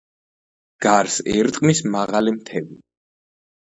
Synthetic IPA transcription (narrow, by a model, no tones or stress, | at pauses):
ɡ̥aɾsɛɾt̪ʼmismaʁalimt̪ʰɛvi